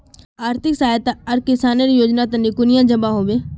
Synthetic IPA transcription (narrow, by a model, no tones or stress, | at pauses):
aːɾt̪ʰɪksaːjət̪aɐɾkɪsaːneɾijoːd͡ʒnat̪ɐnikʊnɪjãd͡ʒəbaɦoːʋẽː